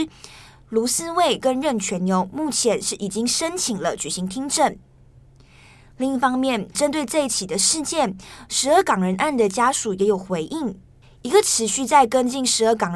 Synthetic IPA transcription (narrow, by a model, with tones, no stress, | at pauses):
lu˧˥sɹ̩˥we˥˩ɪkə˦˥nɻə˥˩nt͡ɕʰɥɛ˧˥nnjo˧˥ʊmu˥˩t͡ɕʰjɛ˧˥nʂɻ̩˥˩ʔi˨˩t͡ɕi˥ŋʂə˥nt͡ɕʰi˨˩ŋlə˦t͡ɕy˨˩ɕi˧˥ŋt̪ʰi˥ŋʈ͡ʂə˥˩n | li˥˧ŋi˥˩fɑ˥ŋmjɛ˥˩nʈ͡ʂə˥nt̪we˥˧ɪt͡sa˥˩t͡ɕʰi˨˩d̪ə˦ʂɻ̩˥˧t͡ɕjɛ˥˩nʂɻ̩˧˥ə˥˩kɑ˨˩ŋɻə˧˥nʔa˥˩nd̪ə˩t͡ɕja˥ʂu˨˩jɛ˧˥jo˨˩ʊxwe˧˥ɪʔi˥˩ŋ | i˧˥ɡə˧ʈ͡ʂʰɻ̩˧˥ɕy˥˧t͡sa˥˩ɪkə˥nt͡ɕi˥˩nʂɻ̩˧˥ə˥˩kɑ˨˩ŋ